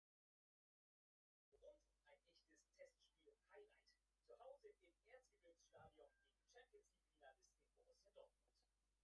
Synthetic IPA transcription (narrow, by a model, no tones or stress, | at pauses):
ʁʊntʔaɪnʔɛçtəstʰɛstʃpiːlhaɪlaɪtt͡suhaʊzəʔɪmʔeːɐt͡stɡ̥əvɪksʃtaːdiɔnɡeːɡŋ̩t͡ʃɛmpjənsliːkfilandəsɪnbʊʁʊsjadɔɐt̚mʊnt